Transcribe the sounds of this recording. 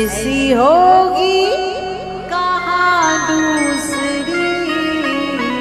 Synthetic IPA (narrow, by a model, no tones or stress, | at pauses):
ɪsiɦoːɡi | kaɦad̪uːsəɾi